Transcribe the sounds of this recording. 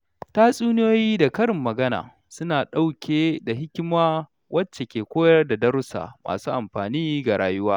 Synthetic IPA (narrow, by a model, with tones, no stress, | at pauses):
taː˦sʼuː˦nɪ˦joː˦jiː˦da˨kɐ˦ɾɪ˨mːɐ˨ɡɐ˦na̰ː˨ | sʊ˦naː˨ɗa˦wkʲʰeː˨da˨ɦɪ˦kʲɪ˦maː˦ | wʔɐ˦t͡ʃːe˨kʲeː˨kʷoː˦jɐ˦rda˨dɐ˦ɾʊ˦sa̰ː˨mʔa̰ː˨suː˦ʔa˨mɸaː˨niː˦ɡa˨ɽaː˦jʊ˦waː˦